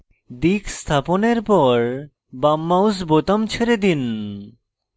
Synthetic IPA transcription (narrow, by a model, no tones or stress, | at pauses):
d̪ikst̪ʰaponeɾpɔɾ | bamːawsbot̪amt͡ɕʰeɾed̪in